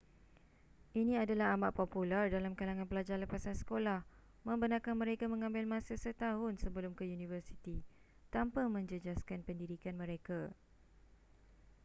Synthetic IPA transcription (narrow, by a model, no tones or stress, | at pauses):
ʔinĩadalaɦamaʔpopulardalamkalaŋãnpəlad͡ʒarləpasansə̥kolah | mə̃mbənãkanmə̃ɾekamə̃ŋãmbɪlmãsasət̪aɦʊnsəbəlʊmkəjunĩvərsit̪i | t̪ampamə̃ɲd͡ʒəd͡ʒaskanpəndidikanmə̃ɾeka